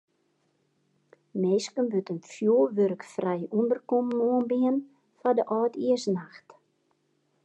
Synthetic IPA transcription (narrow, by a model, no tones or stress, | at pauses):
meːskənbøtənfjoːʋøɾkfrɛjundərkɔmnoənbɪən | fadəʔɔːtʰiəsnaxt